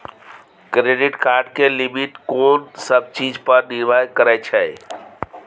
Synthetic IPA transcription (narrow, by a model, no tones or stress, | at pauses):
kɾeɖiʈkaːɾɖkelimitkoːnsəb̚t͡ʃid͡ʒpəɾniɾʋajkəɾɛɪt͡ʃʰɛj